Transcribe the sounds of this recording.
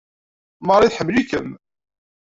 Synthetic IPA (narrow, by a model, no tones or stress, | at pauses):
mɑɾˤːiθħəmːlikəm